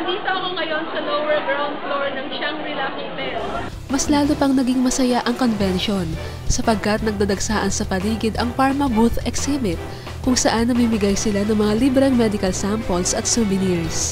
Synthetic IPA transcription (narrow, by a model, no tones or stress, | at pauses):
ɐd̪iːt̪oɐkoŋɐjo̞nsɐlowɛɹɡɹawnd̪̚floɹnɐŋʃaŋɾɪlaːkɪŋpɛl | mɐslaːlupɐŋnɐɡiŋmɐsɐjaʔɐŋko̞nvɛnʃo̞n | sɐpɐɡ̚kɐt̪̚nɐɡ̚d̪ɐd̪ɐɡsaːʔɐnsɐpɐliːɡɪd̪ɐŋpaɹmɐbut̪ɛksɛbɪt̪̚ | kʊŋsɐʔanːɐmimɪɡajsɪlanɐŋmɐŋalibɾɛŋmɛd̪ɪkɐlsampolsʔɐt̪subɪniɹs